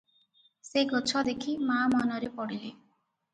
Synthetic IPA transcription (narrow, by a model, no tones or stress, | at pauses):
seɡɔt͡ʃʰɔd̪ekʰimamɔnɔɾepɔɽile